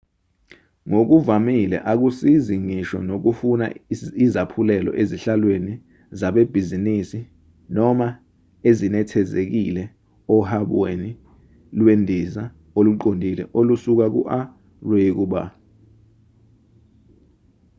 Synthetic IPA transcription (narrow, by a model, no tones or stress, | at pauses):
ŋok̬uvamilɛ̰ʔak̬usiziŋiʃɔ̰nok̬ufuna̰izapʰulɛlɔ̰ʔeziɬalweni | zaɓeb̥ʱizinisi | nɔma | ezinɛtʰɛzek̬ilɛ | ɔhaɓweni | lwendʱiza | oluǃondʱilɛʔolusuk̬ak̬ṵʔa | rwek̬uɓa̰